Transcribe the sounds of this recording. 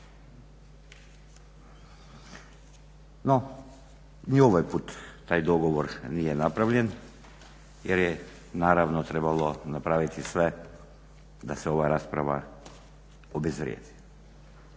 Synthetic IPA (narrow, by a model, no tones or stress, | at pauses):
nɔ | nioʋɔjput̪ːajd̪ɔɡɔʋɔɾniɛnapɾavʎɛn | jɛɾjɛ | naɾavnɔt̪ɾɛbalˠɔnapɾavit̪ʰisvɛ | d̪asɛovaɾaspɾava̰ | obɛzvɾjɛ̰d̪i̥